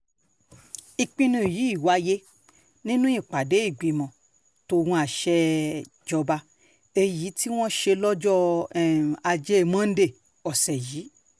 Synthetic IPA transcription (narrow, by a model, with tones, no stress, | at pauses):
i˧˨k͡pĩ˧nũ˧˦˨ji˨˦i˦˨wa˧˦je˦ | nĩ˦nũ˦ĩ˦˨k͡pa˨de˨˦i˦˨ɡ͡bi˨mɔ̃˧˨ | to˧wũ˧˦a˨ʃɛ˧˦ | d͡ʒɔ˧ba˧ | e˧ji˨˦ti˦w̃ɔ̃˦ʃe˧lɔ˦d͡ʒɔ˦˨ | a˧d͡ʒe˦˧mã˦n̩˦de˦˨ | ɔ˨sɛ˨jiː˨˦